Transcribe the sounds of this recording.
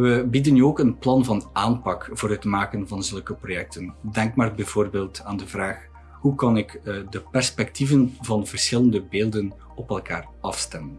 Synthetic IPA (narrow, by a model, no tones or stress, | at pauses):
ʋəbidənyoːkənplɑnvɑnaːnpɑkvoːɾɦətmaːkənvɑnzɵlˠkəprojɛk̚təndɛŋkmaːrbɛjv̥oːrbeːlˠtaːndəvraːx | ɦukɑnɪkdəpɛrspɛktivənvɑnvərsxɪləndəbeːlˠdən | ɔpɛlˠkaːr | ɑfstɛmən